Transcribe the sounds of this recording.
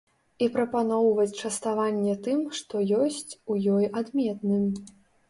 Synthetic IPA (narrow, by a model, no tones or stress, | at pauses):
ipɾɐpanɔwvɐt͡sʲt͡ʂɐst̪avanʲːɛt̪ɨmʂt̪ɔjɔsʲt͡sʲujɔjad̪mʲɛt̪nɨm